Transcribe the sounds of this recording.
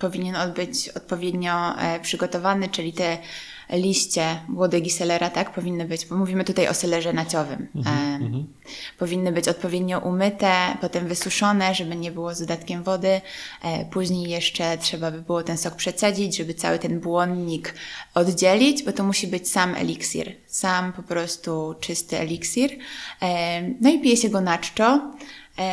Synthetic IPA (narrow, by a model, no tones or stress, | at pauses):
pɔvʲiɲɛnɔd̪bɘt͡ɕɔt̪̚pɔvʲjed̪ɲɔpʂɘɡɔt̪ɔvanɘt͡ʂɘlʲit̪ɛ | lʲiɕt͡ɕɛmwɔd̪ɛɡʲisɛlɛɾat̪akpɔvʲinːɨbɘd͡ʑbɔmuvʲimɘt̪ut̪ajɔ̰sɛlɛʐɛnat͡ɕɔvɘ̰m | pɔvʲinːɨbɘt͡ɕɔt̪̚pɔvʲjed̪ɲɔʔumɘt̪ɛpɔt̪ɛmvɘsuʂɔnɛʐɛbɘɲɛbɘwɔzd̪ɔd̪at̪kʲɛmvɔd̪ɘ | puʑɲejːɛʂt͡ʂɛtʂɛbabɘbɘwɔt̪ɛnsɔk̚pʂɛt̪sad͡ʑid͡ʑʐɛbɘt̪sa̰wɘt̪ɛnbwɔnd̪ɲikɔd̪d͡ʑelʲid͡ʑbɔt̪ɔmuɕibɘt͡ɕsamʔɛ̰lʲiksʲḭɾ | sampɔpɾɔst̪ut͡ʂɘst̪ɘɛ̰lʲiksʲiɾ | nɔipʲijɛɕɛɡɔnat͡ʂt͡ʂɔ